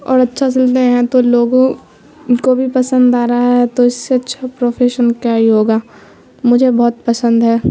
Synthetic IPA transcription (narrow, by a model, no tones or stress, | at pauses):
ɔ̰ːɾɐtːʃʰasɪlt̪eɦɛ̃t̪oloːɡõ | kobʱipɐsə̃nd̪aːɾaɦɛt̪oɪsːeɐtːʃʰapɾoːfʰeːʃənkjaɦiɦoːɡaː | mʊd͡ʒʱebɔːt̪̚pɐsə̃nd̪ɦɛː